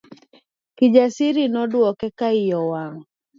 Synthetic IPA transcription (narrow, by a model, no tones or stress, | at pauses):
kid͡ʒasiɾinɔdwɔkɛkaijɔwaŋ